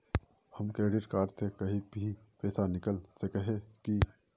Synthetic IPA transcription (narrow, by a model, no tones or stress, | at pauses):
hɐmkɾeːɖɪʈkaːɾɖsekɐɦĩbʱi | pɛːsanɪkəlsekɐɦẽki